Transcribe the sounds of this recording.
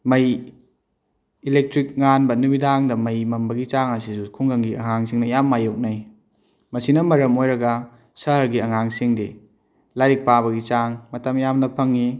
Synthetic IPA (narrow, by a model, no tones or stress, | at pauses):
mɐj | ilek̚tɾik̚ŋanbɐnumidaŋdɐmɐjmɐmbɐɡit͡ʃaŋɐsisukʰuŋɡɐŋɡiɐ̰ŋaŋsiŋnɐjamːajok̚naj | mɐsinɐmɐɾɐmojɾɐɡɐ | sɐɦɐɾɡiɐŋaŋsiŋde | laɾik̚paβɐɡit͡ʃaŋmɐtɐmjamnɐpʰɐŋːi